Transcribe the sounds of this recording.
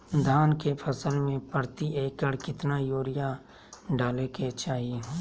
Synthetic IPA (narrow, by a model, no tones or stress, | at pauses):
d̪ʱaːnkepʰəsəlmẽpəɾt̪iʔeːkəɽkɪt̪najoːɾɪja | ɖaːleket͡ʃaːɦiɦː